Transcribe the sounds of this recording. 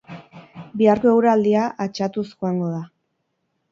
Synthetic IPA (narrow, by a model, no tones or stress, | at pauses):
biaɾkoe̞wɾald̪iaʔat͡ʃat̪usxoaŋɡo̞ða